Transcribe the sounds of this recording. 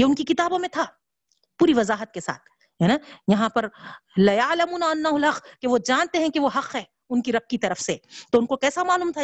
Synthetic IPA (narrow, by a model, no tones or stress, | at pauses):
jeːʊnkikɪt̪aːbõmẽt̪ʰaː | puːɾiʋɐzaːɦət̪̚kesa̰ːt̪̚ʰ | ɦɛnaːjɐɦãpɐɾlɐjɐːlɐmuːnaɐnːaːɦʊlɦɐqkeʋod͡ʒaːnt̪eɦɛ̃keʋoɦɐqɦɛː | ʊnkiɾɐb̚kit̪ɐɾəfset̪oːʊnkokɛːsamaːluːmt̪ʰa